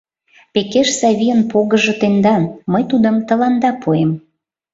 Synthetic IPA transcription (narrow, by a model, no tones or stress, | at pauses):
pekeʃsɑβʲiənpoɣə̆ʒɤ̆t̪end̪ɑnməjt̪ud̪ə̆mt̪ə̆lɑnd̪ɑpʰuem